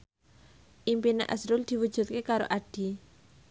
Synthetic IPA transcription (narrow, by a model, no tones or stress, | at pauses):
ʔimpina̰ʔa̰sɾʊld̪̥i̤wud̥ʒ̥ṳt̪̚kekaɾo̰ʔaɖ̥i̤